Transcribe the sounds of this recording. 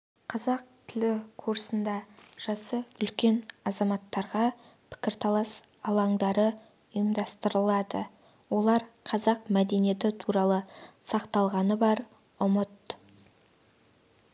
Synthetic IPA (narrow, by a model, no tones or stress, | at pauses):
qʰɑzɑq̚t̪ʰɪlɪkʰuɾsənd̪ɑʒ̥ɑsəʏlkʲe̞nɑzɑmɑt̪ːɑɾʁɑ | pʰɪ̥kʲɪɾt̪ʰɑlˠɑs | ɑlˠɑŋd̪ɑɾə | ʊjəmd̪ɑst̪əɾəlˠɑd̪ə | wo̞lˠɑɾqʰɑzɑqmæd̪e̞nije̞t̪ɪt̪ʰuɾɑlˠəsɑqt̪ɑlˠʁɑnəbɑɾ | ʊmət̪